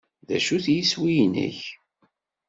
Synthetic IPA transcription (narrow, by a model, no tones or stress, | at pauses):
ðæ̰ʃuθjiswijnə̰ç